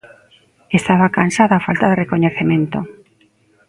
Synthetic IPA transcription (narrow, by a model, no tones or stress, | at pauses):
est̪aβakansaðoafalt̪aðerekoɲeθemẽnt̪o